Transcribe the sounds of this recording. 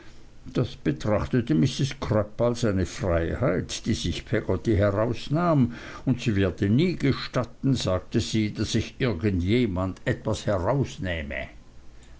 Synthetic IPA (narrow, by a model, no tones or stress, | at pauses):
d̥asb̥ətʁ̥aχtətəmɪsɪskʰʁ̥œpalsaɪnəfʁaɪhaɪtd̥iːz̥ɪçpʰɛɡ̥ɔtihɛʁaʊsnaːm | ʊntsiːvɪːɐdəniːɡəʃtatn̩zaːk̚təz̥iːdasɪçʔɪɐɡəntjeːmandɛtv̥ashɛʁaʊsnɛːmə̰